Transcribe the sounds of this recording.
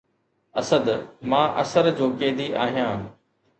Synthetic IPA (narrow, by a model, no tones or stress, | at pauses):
ɐsəd̪mãːʔɐ̰səɾd͡ʑoːkeːd̪iʔaːɦijãː